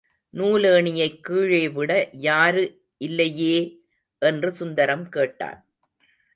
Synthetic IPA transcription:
nuːleːɳɪjɐɪkːiːɻeːʋɪɽɐjaːɾɯ | ʔɪlːɐjeː | ʔɛndrɯsʊnd̪ɐɾɐmkeːʈːa̰ːn

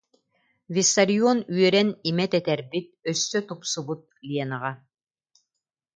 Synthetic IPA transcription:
vʲisːaɾiɔnyœɾɛnimɛt̪ɛt̪ɛɾbit̪̚œsːœt̪upsubut̪̚lʲiɛnaʁa

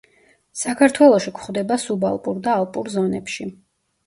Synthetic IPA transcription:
sakʰaɾt̪ʰwɛlˠɔʃikʰχvd̪ɛbasuba̰lˠpʼuɾd̪aːlˠpʼuɾzɔnɛpʃi

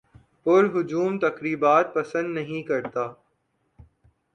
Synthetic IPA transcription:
pʊɾɦʊd͡ʒuːmt̪ɐkɾiːbaːt̪̚pɐsə̃nd̪nɐɦĩkɐɾt̪aː

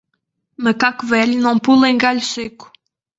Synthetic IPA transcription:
mɐkakuvɛʎunɐ̃w̃pulˠẽj̃ɡaʎuseku̥

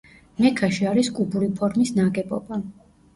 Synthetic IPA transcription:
mɛkʰaʃiaɾiskʼubuɾipʰɔɾmisnaɡɛbʼɔ̰ba

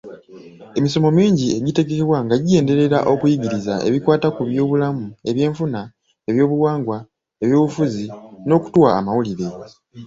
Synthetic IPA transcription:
e̞miso̞mo̞miːɲɟie̞ɟite̞ɡekeβwaŋɡaɟije̞ːnde̞ɾe̞ɾaʔo̞kujiɟiɾizaʔe̞̰βikwaːtakuβjo̞ːβulamue̞βje̞ːɱfuna | e̞βjo̞ːβuwaːŋɡwa | e̞βjo̞ːβufuzino̞ːku̥tuwa̰ːmawuliɾe̞

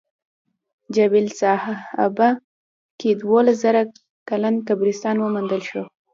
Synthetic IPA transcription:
d͡ʒawilsɑhaa̰ba | ked̪wolas̬zaɾa | kalankabɾist̪ɑnwəmand̪əlʃo

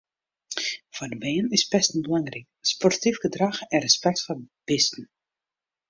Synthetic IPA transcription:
fɔrdəbeːənɪspɛstn̩bəlaŋrɪkspɔrtifɡədraxɛnrəspɛk̚tfɔr | b̥ɪstn̩

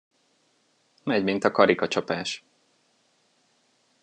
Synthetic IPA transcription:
mɛɟmint̪ɒkɒɾikɒt͡ʃɒpaːʃ

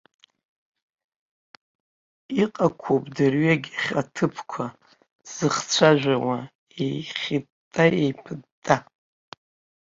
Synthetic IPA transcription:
iqʼakʷʰopʼdɨrɥaɡʲχʲatʰɨpʰkʷʰa | z̥ɨχt͡sʷʰaʒʷᶣawa | ejχʲi | tʼːaḛjpʰɨdtʼːa

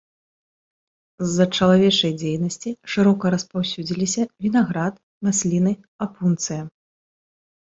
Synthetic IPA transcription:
zːɐt͡ʂɐlˠavʲɛt͡ʂɐjd͡zʲejnɐsʲt͡sʲiʂɨɾɔkɐɾɐspawsʲud͡zʲilʲisʲɐvʲinaɣɾat̪ | masʲlʲinɨ | apunt̪sɨjɐ

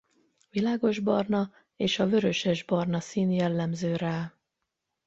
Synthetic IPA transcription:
vilaːɡo̞ʒbɒrnɒ | eːʃɒvø̞ɾø̞ʃɛʒbɒrnɒsiːnjɛlːɛmzøːɾaː

